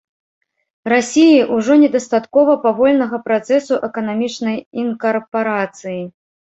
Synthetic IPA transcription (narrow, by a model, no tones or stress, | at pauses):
rasʲijiʔuʐɔnʲɛd̪ɐst̪at̪kɔvɐpavɔlʲnɐɣɐpɾat̪sɛsuʔɛkɐnamʲit͡ʂnɐjinkɐrpaɾat̪sɨji